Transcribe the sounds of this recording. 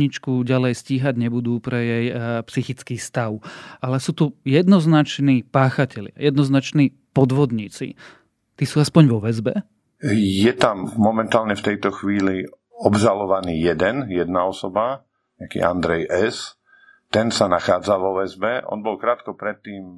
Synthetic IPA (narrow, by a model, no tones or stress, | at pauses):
ɲit͡ʃkuɟalɛjsciːɦaɟɲɛbud̪uːpɾɛjɛjpsixit͡skiːst̪aʊʔalɛsuːt̪ujɛd̪nɔznat͡ʃniːpaːxacɛʎɪa̰jɛd̪nɔznat͡ʃniː | pɔd̪ʋɔd̪ɲiːt͡sḭ | t̪iːsuːaspɔɲʋɔʋɛzbɛ | jɛt̪amːɔmɛnt̪aːlɲɛft̪ɛjt̪ɔxʋiːli | ɔbʒalɔʋaniːjɛd̪ɛnjɛd̪naɔsɔba | ɲakḭːa̰nd̪ɾɛjʔɛs | t̪ɛnsanaxaːd͡zaʋɔʋɛzbɛʔɔ̰nbɔlkɾaːt̪kɔpɾɛt̪ːiːm